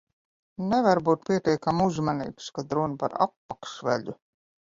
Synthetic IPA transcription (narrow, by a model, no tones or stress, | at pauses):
nɛvaɾbuːt̪̚pʲiɛt̪ʲɛjkamuzmanḭːpskad̪ɾunpa̰ɾa̰pːakʃvæ̰ʎʲu